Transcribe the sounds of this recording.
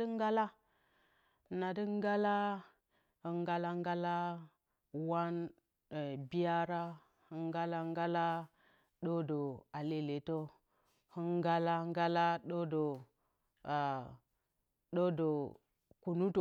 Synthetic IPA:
ə˦ŋ˦ɡa˦la˦˨ | na˨di˦ŋ˦ɡa˦la˦ | ə˨ŋɡa˦la˦ŋ˦ɡa˦la˦ | wa˦n˨ | bi˦ja˦ɾa˦ | hə˦ŋ˦ɡa˦la˦ŋ˦ɡa˦la˦ | ɗo˦do˨a˨le˦le˨to˦ | hə˦ŋɡa˦la˦ŋ˦ɡa˦la˦ɗo˦do˨ | a˨ | ɗo˦do˨ | ku˨nu˦to˨

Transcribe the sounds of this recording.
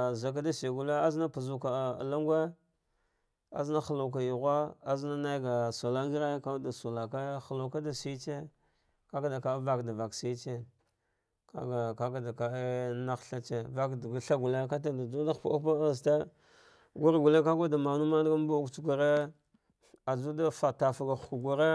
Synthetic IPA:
za˨k̬a˦da˦si˨ɡu˨le˦a˦zna˦pa˨zu˦ka̰˨la˦ŋɡʷe˦ | a̰˦zna˦xa˨la˨k̬a˨ju˨ɣʷa˦a˦zna˦na˦jɡa˨so˨la˦ŋɡi˦ɾe˦ka˦da˨so˨la˨ka˦xa˨la˨ka˦da˨si˦t͡ʃe˦ | ka˦ka˦da˨ka˨˦va˦kda˨va˨ksi˦t͡ʃe˦ | ka̰˦ɡa˨ka˦ɡa˨da˨ka˨˦na˦xɬa˦t͡ʃe˦va˦kɡa˦ɬa˦ɡu˨le˦ka˦t̬a˨da˨d͡ʒu˦da˦xpa˦pa˦˨ste˦ | ɡu˦ɾɡu˨le˦ka˦ɡa˦da˨ma˨nu˦ma˦dɡa˦m˦bu˦u˦kt͡ʃɡʷa˨ɾe˦ | a˨d͡ʒu˦da˦fa˨ta˨fa˨ɡa˨xku˨ɡu˨ɾe˦

